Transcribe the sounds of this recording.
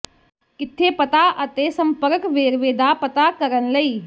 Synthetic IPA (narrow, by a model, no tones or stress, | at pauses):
kɪt̪ʰːepət̪aʔɐt̪esɐ̃mpəɾkʋeːɾʋeːd̪apət̪akɐɾənlɐiː